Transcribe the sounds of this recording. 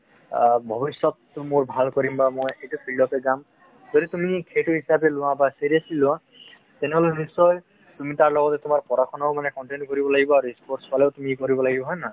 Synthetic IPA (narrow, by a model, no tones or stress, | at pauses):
bʱɔbisɔt̪ːmoɹbʱalkɔɾimbamojejtupʰilɖɔpeɡam | zɔdit̪umikʰetuɦisapelʊ̃w̃ãbaseɾiasilʊ̃wã | t̪ɛnɛɦɔlebisɔj | t̪umitaɹlɔɡɔt̪ɛt̪umaɹpɔɾakʰɔnaomanɛkɔɳʈenkɔɾibɔlaɡibɔaɾuispʰoɹspaleot̪umikɔɾibɔlaɡibɔɦɔjna